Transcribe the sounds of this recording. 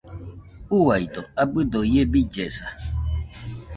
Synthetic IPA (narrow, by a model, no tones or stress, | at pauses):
uwaid̪ɔabɨd̪ojebid͡ʒɛsa